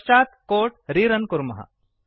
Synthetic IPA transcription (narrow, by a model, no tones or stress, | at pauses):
t͡ʃaːt̪koːʈɾiːɾɐnkuɾmɐɦa̰